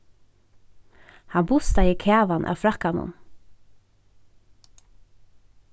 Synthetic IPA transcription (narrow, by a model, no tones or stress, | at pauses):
hɑːbʊst̪ɑiːkʰeːʋɑnʔɑ̰ːfɾɑkɑnʊ̰n